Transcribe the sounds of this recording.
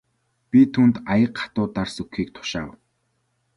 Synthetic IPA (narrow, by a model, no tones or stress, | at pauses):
pʲit̪ʰuːnt̪ajə̆qχḁt̪ʊːt̪arsɵkxiːk̚t̪ʰʊ̥ʃaːw